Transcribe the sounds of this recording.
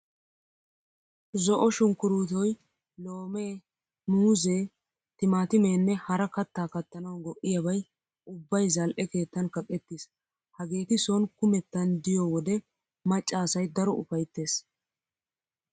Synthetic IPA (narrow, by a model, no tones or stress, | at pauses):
zɔʔɔʃʊŋkʊɾuːt̪ɔj | loːmeː | muːzeː | t̪ɪmaːt̪ɪmeːnːɛhɐɾɐkɐt̪ːaːkɐt̪ːɐnɐwɡɔʔɪjɐbɐj | ʊbːɐjzɐlʔɛke̞ːt̪ːɐnkɐkʼɛt̪ːis | hɐɡe̞ːt̪ɪsɔnkʊmɛt̪ːɐnd̪ɪjɔwɔd̪ɛ | mɐt͡ʃʼːaːsɐjd̪ɐɾɔʔʊfɐjt̪ːe̞ːs